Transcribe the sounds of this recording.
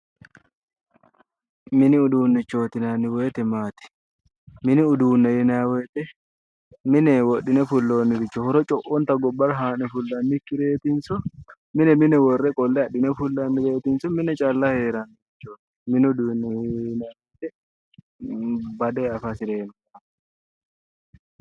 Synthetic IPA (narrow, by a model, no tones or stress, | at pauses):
mɪnɪʊd̪uːnːɪt͡ʃːo̞ːt̪ɪnanːɪwɔːt̪ɛmaːt̪ɪ̥ | mɪnɪʊd̪uːnːɐjɪnawɛːt̪ʼɛ | mɪnɛwɔɗːɪnɛfʊlːo̞ːnːɪɾɪt͡ʃːɔhɔɾɔt͡ʃʼɔʔɔnt̪ɐɡɔbɐɾɦaːnɛfʊlːɐnːɪkːɪɾeːt̪ɪnsɔ | mɪnɛmɪnɛwɔrːɛkʼɔlːɛɐɗɪnɛfʊlːɐnːɪɾeːt̪ɪnsɔmɪnɛt͡ʃʼɐlːɐheːɾɐnːɪɪt͡ʃːoːt̪ | mɪnɪʊd̪uːnːɛnɐwɛt̪ɛ | bɐd̪eɐfɐsɪɾeːnʊ | ɐ